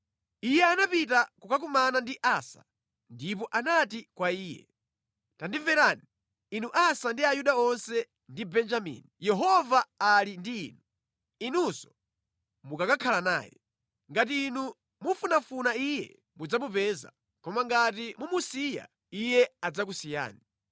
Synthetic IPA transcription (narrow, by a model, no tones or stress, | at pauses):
ijɛanapit̬akukakumanandiʔasḁ̰ | ndip̬ɔʔanatikwaiːjɛ̰ | tandivɛɾani | inuʔasandiajuɗaɔnsɛ | ndibɛnd͡ʒamḭːnijɛɦɔvaːlindḭːnu | inusɔ̥ | mukakakʰalana̰ːjɛ̰ | ŋɡat̬iːnu | mufunafunaijɛ̰ | mud͡zamupɛːza̰ | kɔmaŋɡatimumusija̰ | ijɛad͡zakusija̰ːni